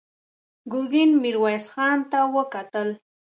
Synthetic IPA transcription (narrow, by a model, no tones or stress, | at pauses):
ɡʊlɡɪnmɪɾwajsχɑːnt̪awəkat̪əl